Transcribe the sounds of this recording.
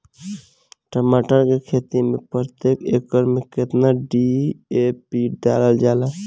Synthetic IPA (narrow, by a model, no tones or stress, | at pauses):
ʈəmaʈəɾkekʰeːt̪imepɾt̪ekekːəɾmeket̪naɖiepiɖaləld͡ʒala